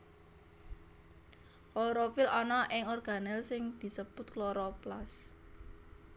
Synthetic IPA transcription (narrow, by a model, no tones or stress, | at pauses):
koɾofɪlɔnɔʔɪŋɔrɡ̥a̤nɛlsɪŋd̪̥i̤səb̥ʊt̪̚kloɾɔplas